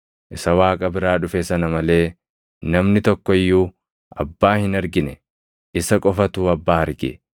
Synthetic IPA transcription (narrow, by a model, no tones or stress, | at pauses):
ʔɪsɐwaːkʼɐbɪɾaːᶑʊfɛsɐnɐmɐle̞ː | nɐmnɪt̪ɔkːɔɪjːuː | ʔɐ̰bːaːhɪnɐɾɡɪnɛ | ʔɪsɐkʼɔfɐt̪uːɐbːaːɐɾɡɪ̰